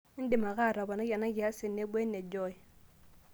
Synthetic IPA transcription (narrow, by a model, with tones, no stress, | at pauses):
n̩˦dɪ˨ma˨ɣa˦˨ɾa˨ba˨na˦ja˨na˦ja˦sɪ˨nːɛ˦bʷɛ˦nːɛ˨d͡ʒɔ˦i˨